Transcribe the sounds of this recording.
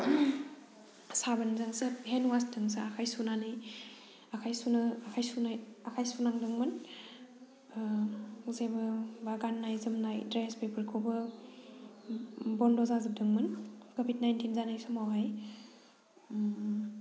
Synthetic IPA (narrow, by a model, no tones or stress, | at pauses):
sabɐnzaŋsɯɦenuwastɯŋsaakʰajsunanɯj | akʰajsunɐakʰajsunajakʰajsunaŋdɯŋmɯn | uzebɯbaɡanːajzɯmnajdɾespepʰɯɾkʰobɯ | bɔndɔzazɯp̚dɯŋmɯnkobid̚najntʰinzanajsɯmawɦaj